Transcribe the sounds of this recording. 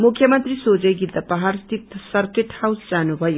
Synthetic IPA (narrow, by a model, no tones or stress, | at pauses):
mukʰjʌmʌnt̪risod͡zʌjɡit̪apʌɦaɾst̪ip̚t̪ːsʌrkeʈhawsd͡zanubʱʌjo